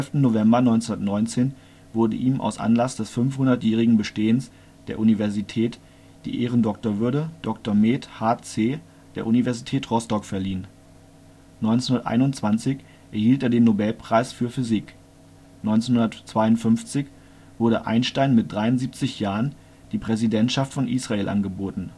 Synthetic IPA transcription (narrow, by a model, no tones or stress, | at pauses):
vɛlftn̩ːovɛmbɐnɔʏnhʊnɐtnɔʏnt͡seːn | vʊɐdə̰ʔiːmʔa̰ʊsʔa̰nlasd̥ɛsfʏnfhʊndɐtjɛːʁ̞ɪɡŋ̩bəʃteːəns | d̥ḛːɐʔunivɛɐzitʰɛːt | d̥ḭːʔeːʁəndɔk̚toɐvʏɐɾəd̥ɔktoɐmeːthaːt͡seː | d̥eːɐʔunivɛɐzitʰɛːtʁ̥ɔstɔkfɛɐliːn | nɔʏnt͡senʊndɐtʔa̰ɪnʊntt͡sv̥ant͡sɪç | ʔɛɐhiːlteːɐdeːnːobɛlpʁ̥aɪsfyːɐfyzik | nɔʏnt͡senhʊndɐtt͡sv̥aɪʊntfʏnft͡sɪç | v̥ʊɐɾə̰ʔa̰ɪnʃtaɪnmɪt̚d̥ʁaɪʊnziːp̚t͡sɪçjaːʁən | d̥iːpʁ̥ɛzidɛntʃaftfɔnʔiːsʁ̥aeːlʔa̰nɡəboːtn̩